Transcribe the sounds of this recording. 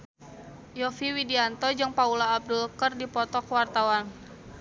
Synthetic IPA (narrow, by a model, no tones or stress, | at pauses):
jɔfiwidiant̪ɔd͡ʒɨŋpaulaːb̚dulkərdipɔt̪ɔkəwart̪awan